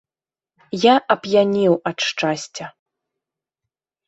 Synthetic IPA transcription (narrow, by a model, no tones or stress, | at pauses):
jaʔɐpjanʲiwɐt̪ʂt͡ʂasʲt͡sʲɐ